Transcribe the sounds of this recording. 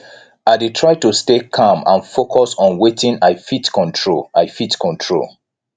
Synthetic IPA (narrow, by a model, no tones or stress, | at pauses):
adetʰɹaɪtustekʰãmã̰nfokʰɔsɔ̃nwetĩnaɪfitkʰɔ̃ntʰɹolaɪfitkʰɔ̃ntʰɹo̰l